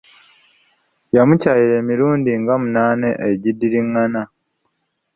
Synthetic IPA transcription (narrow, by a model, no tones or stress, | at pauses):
jamucaːjiɾe̞ːmiɾuːndiŋɡamunaːne̞ʔeɟidːiɾiŋːana